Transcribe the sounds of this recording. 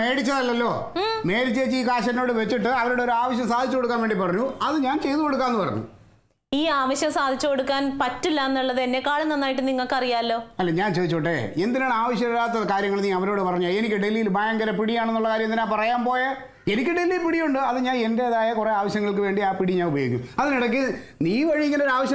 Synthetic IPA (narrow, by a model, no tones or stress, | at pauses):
me̞ːɽit͡ɕːɐðɐlːɐlːo̞ː | me̞ːɽit͡ɕːeːt͡ɕːɨiːkaːɕɐɾɐnoːɽɨʋe̞t͡ɕːiʈːɨɐʋɐɾuːɽeoɾuaːʋɐɕ̬jɐmsaːd̪ʱit͡ɕːukoɽukːaːnʋeɳɖipɐrɐɲːuɐðɨɲaːnt͡ɕe̞jðuko̞ɽuk̬ːaːnenɨpɐrɐ̰ɲːṵ | iːaːʋɐɕjɐmsaːd̪ʱit͡ɕːɨkoɽukːaːnpɐtːilːaɐnːuɭːɐðɨenːekːaːɭenːɐnːaːjiʈːɨniŋːɐɭkɐrijaːɐlːo̞ːɐlːeːɲaːnt͡ɕeːðit͡ɕːoːʈːeend̪inaːɳaːʋɐɕjɐmilːaːt̪ːɐðɨkaːɾjɐŋːɐɭniːɐʋɐɾo̞ːɽɨpɐrɐɲːaːe̞nikʲːɨɖe̞lːijilbʱɐjɐŋɡɐɾɐpiɽijaːɳenːuɭːɐkaːɾjɐmnd̪inaːpɐrɐjaːmpo̞ːjɐ | enikʲːɨɖe̞lːilpiɽijuɳɖɨɐðɨɲaːne̞nde̞ðaːjɐkure̞ːaːʋɐɕjɐŋːɐɭk̬ɨʋe̞ːɳɖiaːpiɽiɲaːnubɐjoːɡikʲːuɐðiniɽɐk̬ːɨniːʋɐɻiikʲːɐloɾaːʋɐɕjɐ